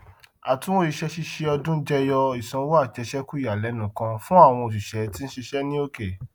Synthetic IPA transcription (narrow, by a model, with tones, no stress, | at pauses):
a˨tũ˨˦o˦i˨˧˦ʃɛ˧ʃi˧ʃe˧ɔ˧dũ˦d͡ʒɛ˦jɔ˧i˨sã˧˦wa˦˨t͡ʃɛ˧ʃɛ˦ku˦i˦a˨lɛ˨˦nũ˨kã˧fũ˦a˦˨w̃ɔ̃˧o˨ʃ̬i˨ʃɛ˨˦ti˦ñ̩˦ʃi˧ʃɛ˦nĩ˦o˦ke˨